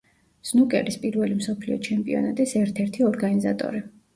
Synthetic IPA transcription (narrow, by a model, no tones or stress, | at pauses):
z̥nukʼɛ̰ɾispʼiɾvɛlimsɔpʰliɔ̰t͡ʃʰɛmpʼiɔ̰nat̪ʼisɛɾt̪ʰɛɾt̪ʰiɔɾɡanizat̪ʼɔ̰ɾi